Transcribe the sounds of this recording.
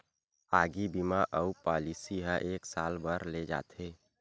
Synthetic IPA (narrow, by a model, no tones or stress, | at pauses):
aːɡibimaʔəupaːlisiɦãʔeːksaːlbəɾled͡ʒa̰ːt̪ʰeː